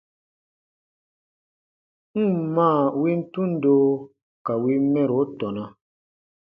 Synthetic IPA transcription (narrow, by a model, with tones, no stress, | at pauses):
ŋ̩˦˨mãː˦˨wi˦n̩˦tũ˦n̩˦doː˦ | ka˨wi˦mɛ̃˦ɾo˨˦tɔ˨nã˦